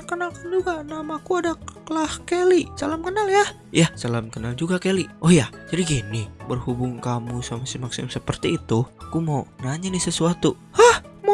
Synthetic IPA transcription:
kənalkand͡ʒuɡanamakuadakəlahkelisalamkənalja | jasalamkənald͡ʒuɡakeliʔɔhjad͡ʒadiɡinɪbərhubʊŋkamusamasimaksɪmsəpərt̪iːt̪ukumonaɲanɪhsəsuat̪u | hahmo

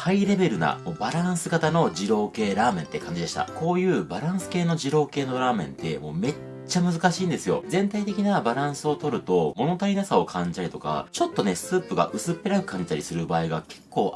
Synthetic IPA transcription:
haiɾe̞be̞ɾɯ̟na̰mobaɾãɰ̃sɨɡat̪ano̞ʑiɾo̞ːke̞ːɾaːmẽ̞nt̪ːe̞kʰãɲ̟d͡ʑid̪e̞ɕi̥t̪a̰ko̞ːjɯ̟ːbaɾãɰ̃sɨ̥ke̞ːno̞ʑiɾo̞ːke̞ːno̞ɾaːmẽ̞̰nt̪e̞̰mo̞̰ːme̞ | t͡ɕːamɯ̟zɨkaɕĩːnd̪e̞sɨjo̞̰zẽ̞nt̪ait̪e̞kʲinabaɾãɰ̃sɨo̞t̪o̞ɾɯ̟t̪o̞mo̞no̞t̪aɾʲinasao̞kʰãɲ̟d͡ʑit̪aɾʲit̪o̞̰ka̰t͡ɕo̞t̪ːo̞ne̞sɨːpɯ̟ɡa̰ʔɯ̟sɨpːe̞ɾakɯ̥kãɲ̟d͡ʑi̥t̪a̰ɾisɨɾɯ̟baːiɡake̞kːo̞ː

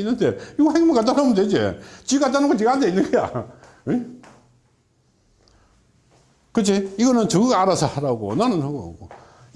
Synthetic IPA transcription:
inːɯndeiɡʌhaɡimʌnkat̬͈anamɯnded͡ʑet͡ɕikat̬͈anaɡot͡ɕiandeinːɯnɡeja̰ | kɯd͡ʑiiɡʌnɯnt͡ɕɯɡɯɡaɾasʰʌhaɾaɡo̰nanɯnhaɡoo̰ɡo

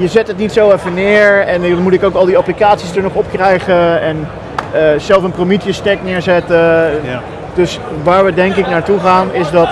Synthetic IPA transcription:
jəzɛtətnitsowɛfənɪːɹɛnnmutɪkowkɑlˠdiɑplikaːtsisdəɹnɔχɔpkrɛjχəɛn | zɛlˠfənpromitjəstɛknɪːɹzɛtə | d̥ɵs | ʋaːɹʋədɛŋkɪknaːɹtuχaːnɪzdɑt

